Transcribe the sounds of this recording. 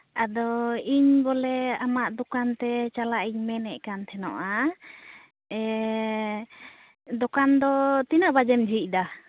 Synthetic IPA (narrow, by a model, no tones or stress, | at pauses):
ad̪ɔiɲbɔlɛamaʔd̪ɔkant̪ɛt͡ʃalaʔiɲmɛnɛʔkant̪ʰɛnɔʔa | ɛ | d̪ɔkand̪ɔt̪inaʔbad͡ʒɛmd͡ʒʱic̚ˀd̪a